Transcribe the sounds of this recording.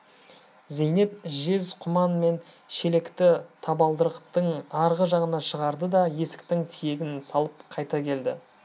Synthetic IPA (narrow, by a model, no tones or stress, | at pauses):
zejne̞p̚ʒe̞zqʰʊmɑnme̞n | ʃe̞le̞kt̪ɪt̪ʰɑbɑlˠd̪əɾəqt̪əɴɑɾʁəʒɑʁənɑʃəʁɑɾd̪əd̪ɑje̞sɪ̥k̚t̪ɪŋt̪ʰije̞ɡʲɪnsɑlˠəp̚qʰɑjt̪ɑkʲʰe̞ld̪ɪ